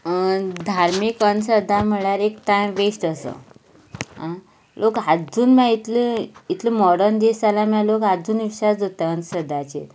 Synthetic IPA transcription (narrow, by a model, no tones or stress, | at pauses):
d̪ʱaɾmikənsəd̪ʱːam̤əɭjaɾekʈãjʋesʈəsə̰ | ɦa | lʔokɦad͡zuːnmjãit̪liit̪ʰlimɔɽənd̪esalamãlokad͡zuːnʋiɕasd͡z̪ʱot̪eənsəd̪ʱat͡ɕḛt̪